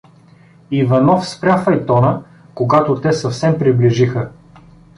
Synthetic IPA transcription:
ivɐnɔfspɾʲjafɐit̪ɔnə | koɡat̪ot̪ɛsɐfsɛmpɾibliʒixə

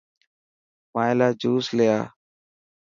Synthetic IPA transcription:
mãːẽlaːd͡ʒuːslejaː

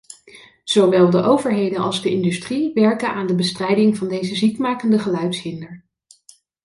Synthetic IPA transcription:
z̥owʋɛlˠdəʔowvəɹɦejdənʔɑ̰lˠzdəɪndystriʋɛɹkənaːndəbəstrɛjdɪŋvɑndejzəzikmaːkəndəχəlœɥtsɦɪndəɹ

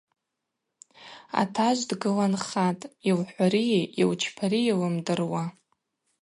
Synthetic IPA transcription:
a̰tʰaʒʷdɡɨlanχatʼilħʷaɾiiwt͡ʃʰpʰaɾijilɨmdɨrwa

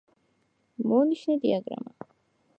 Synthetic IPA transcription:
mɔniʃnɛd̪iaɡɾa̰ma

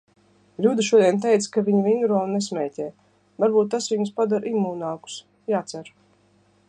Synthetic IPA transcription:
lʲuːd̪iʃuɔd̪iɛnt̪̬ɛjt̪skaviɲivʲiŋɡɾɔːnesmʲɛːcʲɛː | vaɾbuːt̪ːasviɲuspad̪aɾʔimuːnaːku̥s | jaːt̪sæɾ

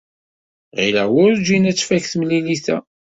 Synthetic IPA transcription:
ʁilæ̰ʁwʊɾd͡ʒinæt͡sːfækθmliliθæ̰

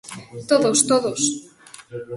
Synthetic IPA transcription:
t̪oðost̪oðos

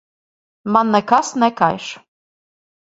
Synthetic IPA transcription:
mɑnːɛkasnɛkajʃ

